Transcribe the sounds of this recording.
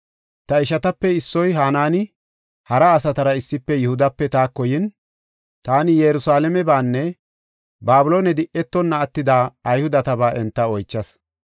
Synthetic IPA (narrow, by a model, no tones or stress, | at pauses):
t̪ɐɪʃɐt̪ɐpːɛɪsːɔjɦaːnaːnɪ | hɐɾɐːsɐt̪ɐɾɐɪsːɪpːɛjʊhʊd̪ɐpːɛt̪aːkːɔjɪn | t̪aːnɪjɛɾʊsaːlɛmɛbaːnːɛ | baːbʊloːnɛd̪ɪʔɛt̪ːɔnːɐːt̪ːɪd̪aːɐjhʊd̪ɐt̪ɐbaːʔɛnt̪ːɐɔjt͡ʃːɐs